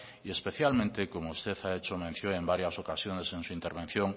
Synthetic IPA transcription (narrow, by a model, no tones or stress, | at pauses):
iespeθjalmẽnt̪ekomoust̪eθaet͡ʃomẽn̟θjoembaɾjasokasjoneseŋsuint̪eɾβẽn̟θjõŋ